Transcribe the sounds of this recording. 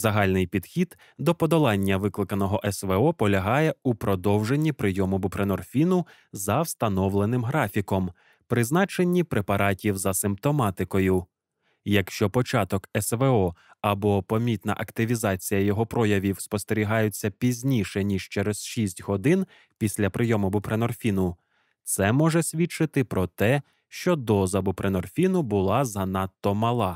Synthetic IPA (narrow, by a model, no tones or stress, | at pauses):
zɐɦɑlʲnɪjpʲid̪̥xʲid̪̥ | d̪ɔpɔd̪ɔlˠɑnʲːɐʋɪklˠɪkɐnɔɦɔʔɛsʋeɔpɔlʲɐɦɑjɛupɾɔd̪ɔwʒenʲːipɾɪjɔmʊbʊpɾenɔrfʲinʊ | zɐwst̪ɐnɔwlˠenɪmɦɾɑfʲikɔm | pɾɪznɑt͡ʃe̞nʲːipɾepɐɾɑtʲiwzɐsɪmp̚t̪ɔmɑt̪ɪkɔjʊ | jɐkʃt͡ʃɔpɔt͡ʃɑt̪ɔkɛsʋeɔ | ɐbɔpɔmʲit̪nɐ̰ʔɐkt̪ɪʋʲizɑt͡sʲijɐjɔɦɔpɾɔjɐʋʲiwspɔst̪eɾʲiɦɑjʊt͡sʲːɐpʲizʲnʲiʃɛnʲiʃt͡ʃɛɾɛz̥ʃisʲtʲɦɔd̪ɪn | pʲisʲlʲɐpɾɪjɔmʊbʊpɾenɔrfʲinʊ | t̪sɛmɔʒɛsʲʋʲit͡ʃɪt̪ɪpɾɔt̪ɛ | ʃt͡ʃɔd̪ɔzɐbʊpɾenɔrfʲinʊbʊlˠɑzɐnɑt̪ːɔmɐlˠɑ